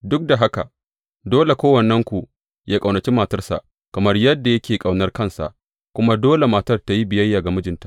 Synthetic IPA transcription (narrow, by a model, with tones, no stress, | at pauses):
dʊ˦k̚da˨ɦa˦ka̰˨ | doː˦le˨kʷoː˦wɐ˨nːɛ˦ŋkʷu˨ | jaː˦kʼa˨wnɐ˨t͡ʃi˦maː˨tɐ˦rsa̰˨ʔ | kɐ˨mɐ˦rjɐ˦dːa˨jɐ˦kʲeː˨kʼa˨wnɐ˦rkɐ˦nsa̰˨ʔ | kʷʊ˦ma˦doː˦le˨maː˨tɐ˦rta˨ji˦bɪ˨jɐ˦jːaː˨ɡa˨mʊ˦d͡ʒɪ˨ntḁ˦˨ʔ